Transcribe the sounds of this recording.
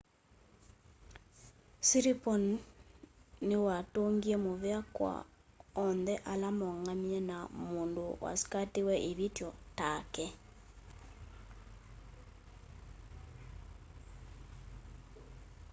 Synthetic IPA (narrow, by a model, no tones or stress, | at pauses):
siɾipɔn | newatoŋɡiɛmoβeakwa̰ | ɔnðɛʔalamɔŋamjɛnamoːndowa̰si̥katewɛʔiβitjɔtakɛ